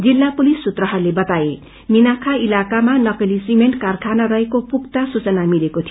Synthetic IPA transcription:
d͡zilːapulisːut̪rʌɦʌrlebʌt̪ae | minakʰailakamanʌkʌlisimeɳʈkarkʰanʌɾʌɦekopuk̚t̪asut͡sʌnamilekot̪ʰij

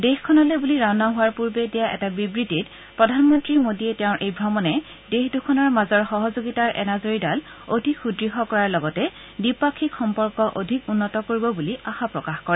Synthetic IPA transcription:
dexkʰːɔnalebuliɹanaɦʊwaɹpuɹbɛdɛjaʔɛ̰tabibɹitit | pɹɔdʱanmɔntɹimodiɛtɛʊ̃ɹʔejbʱɹɔmɔnɛ | dexdukʰɔnɔɹmazɔɹxɔɦɔzoɡitaɹʔɛ̰nazoɹidal | odʱikxudɹiɦɔkɔɹaɹlɔɡɔtɛ | dipakʰːikxɔmpɔɹkɔʔo̰dʱikunːɔtɔkoɹibɔbuliaxapɹɔkaxkɔɹɛ

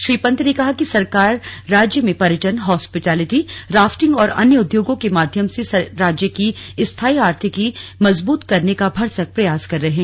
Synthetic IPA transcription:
ʃɾiːpɐ̃nt̪ʰnekɐɦakisɐɾkaːɾːaːd͡ʒjəmẽpɐɾəʈənɦɔːspɪʈɛːlɪʈiɾaːfʈɪ̃ŋɡɔːɾɐ̰njəʊd̪joːɡõkemaːd̪ʱjəmsesɐɾaːd͡ʒjəkiɪst̪ʰaːiaːɾt̪ʰikimɐzbuːt̪kɐɾnekabʱɐɾsək̚pɾɐjaːskɐɾːɐɦeɛ̃ː

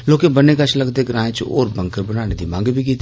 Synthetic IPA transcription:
loːkebɐnekɐt͡ʃʰlɐɡt̪eɡɾãːjt͡ʃo̰ːɾbɐ̃ŋkəɾbənaːned̪imãːŋɡbʱik̬iːt̪

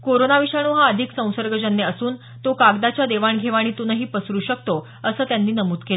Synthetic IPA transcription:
koɾonaʋiɕaɽ̃uːɦaəd̪ʱiksə̃w̃səɾɡəd͡ʑənːjəəsuːn | t̪okaɡd̪at͡ɕjad̪eʋaɳɡʱeʋaɽ̃iːt̪onəɦiːpəsɾuːɕəkt̪o | əsəːt̪janːiːnəmuːt̪kel

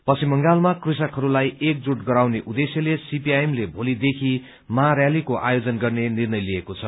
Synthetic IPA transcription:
pʌsimʌŋɡalmakris̬ʌkɦʌɾulajek̚d͡zuʈɡʌɾawneʔud̪esjʌlesipiajemlebʱolid̪ekʰi | maɾjalikoʔa̰jod͡zʌnɡʌrnenirnʌjliekot͡sʰʌ

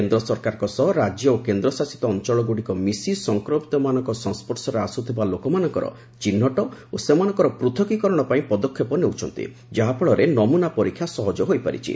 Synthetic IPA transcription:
end̪ɾɔsɔɾkaɾɔkɔsɔɦɔɾad͡ʒjɔokend̪ɾɔsasi̥t̪ɔːnt͡ʃɔɭɔɡuɽikɔmisisɔŋkɾopit̪ɔmanɔŋkɔsɔ̃ŋspɔɾsɔɾeasut̪ʰibalokɔmanɔŋkɔɾɔ̰ | t͡ʃinːɔʈɔosemanɔ̃ŋkɔɾɔpɾut̪ʰɔkikɔɾɔɽ̃ɔpaĩpɔd̪ɔkʰːjɔpɔneut͡ʃʰɔnt̪ḭ | d͡ʒaɦapʰɔɭɔɾenɔmunapɔɾikʰjasɔɦɔd͡ʒɔɦojpa̰ɾḭt͡ʃʰḭ

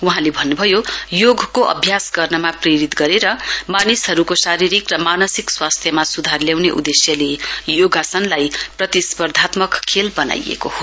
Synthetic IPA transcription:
uɦãlebʱʌnːubʱʌjojoɡʱkoʔʌ̰bʱjasɡʌrnʌmapreɾit̪ɡʌɾeɾʌmanisɦʌɾukosaɾiɾikrʌmanʌsikswast̪ʰjʌmasud̪ʱarljawneʔṵd̪esjʌlejoɡʱasʌnlajprʌt̪ispʌrd̪ʱat̪mʌkkʰːelbʌna̰jḛkoho

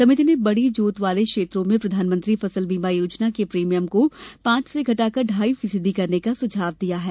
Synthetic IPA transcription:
sɐmɪt̪ʰinebɐɽid͡ʒuːt̪ʋaːlekʃeːt̪ɾõmẽpɾɐd̪ʱaːnmə̃nt̪ɾifɐsəlbiːmajoːd͡ʒnakepɾiːmijəmkopãːt͡ʃseɡʱɐʈaːkɐɾɖʱaːifɪsəd̪ikɐɾnekasʊd͡ʒʱaːʋd̪ijaɦɛː

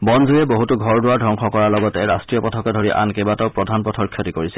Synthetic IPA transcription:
bɔnzʱujɛboɦutuɡʱɔɹdʊwadʱɔŋxʰɔkɔɹalɔɡɔtɛɹastɹijɔpɔtʰɔkɔdʱoɹiʔa̰nkebatɔʊpɹɔdʱanpɔtʰɔɹkʰjɔtikoɹisɛ

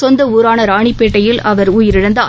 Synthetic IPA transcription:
ɔnd̪ɐuːɾaːnɐɾaːɳɪpːeːʈːɐjɪlʔɐʋɐɾuːjɪɾɪɽɐnd̪ɐ

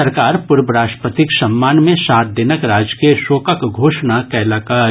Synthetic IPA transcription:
ɐɾkaːɾpʊɾbəɾaːsʈpət̪ɪksɐmːaːnmẽsaːt̪̚d̪ɪnəkɾaːd͡ʒkeʃoːkəkɡʱoːʃnakɛːlaːkaː

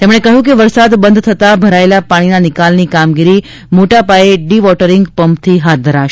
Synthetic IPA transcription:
t̪emɽ̃ekəɦjũk̬eʋəɾsad̪bənd̪ʱt̪ʰət̪abʱəɾaelapaɽ̃inanɪkalnikamɡiɾi | moʈapaeɖiʋɔʈəɾɪŋɡpəmpt̪ʰiɦat̪̚d̪ʱəɾaʃ

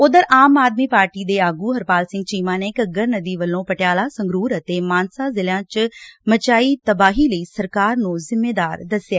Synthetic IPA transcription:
ʊd̪əɾaːmaːd̪miːpaːɾʈiːd̪eːaːɡuːɦəɾpaːlsɪ̃ŋɡ̚t͡ʃiːmãːneːkəɡəɾnəd̪iːʋəlːõːpəʈejaːlaːsə̃ŋɡɾuːɾət̪eːmaːnsaːzɪlãːt͡ʃmət͡ʃaːiːt̪əbaːɦiːləiːsəɾkaːɾnũːzɪmːeːd̪aːɾd̪əsjaː

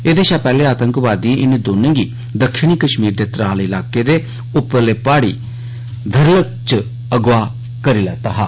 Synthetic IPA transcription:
eːd̪eːʃaːpɛːleːaːt̪əŋkʋaːd̪iẽːʔɪned̪oːnẽːɡiː | d̪əkʃɪɳ̃iːkəʃmiːɾd̪eːt̪ɾaːlɪlaːkeːd̪eː | ʊpːəɾleːpaːɽḭː | d̪ʱəɾlək̚t͡ʃ | əɡʋaː | kəɾiːlɛːt̪aːɦa̰ː

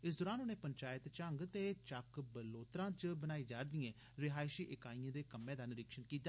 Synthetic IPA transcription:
ɪsd̪oːɾaːnʊneːpəɲt͡ʃaːɪt̪t͡ʃəŋɡt̪eːt͡ʃəkbəloːt̪ɾãːt͡ʃəbənaːiːd͡ʒaːɾd̪ɪjẽː | ɾɪɦaːɪʃiːʔɪkaːiːãːd̪eːkəmẽːd̪aːnɪɾɪkʃənkiːt̪ːaː

